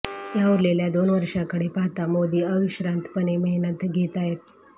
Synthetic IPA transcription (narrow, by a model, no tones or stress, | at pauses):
jaʋuɾleljad̪onʋəɾʂakəɽepaɦt̪amod̪iːəʋiɕɾant̪pəneməɦinət̪ɡʱet̪aɦet̪̚